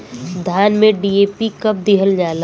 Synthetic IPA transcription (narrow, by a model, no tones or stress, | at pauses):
d̪ʱjaːnmẽɖiːeːpikɐb̚d̪ɪɦəld͡ʒaːla